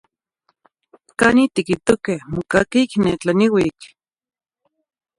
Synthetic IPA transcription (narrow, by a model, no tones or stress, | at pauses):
kanit̪ikit̪okehmokakikneːt͡ɬaniwik